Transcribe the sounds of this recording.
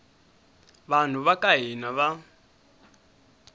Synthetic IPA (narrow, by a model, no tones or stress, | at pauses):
βan̤uβakaɦinaβa